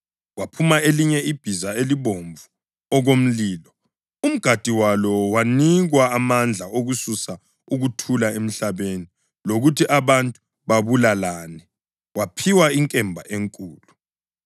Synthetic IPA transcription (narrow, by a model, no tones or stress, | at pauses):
wapʰumaeliɲɛib̥ʱizaeliβoɱvu | ɔɣom̩liːlɔ | um̩ɡ̥ʱad̥ʱiwalɔwaniɣwaːmand͡ɮʱaoɣususa | uɣutʰulaem̩ɬaβeni | loɣutʰiʔaβantʼu | βaβulalaːnɛ | wapʰiwaiŋkʼɛmbʱa̰ʔeŋkʼuːlu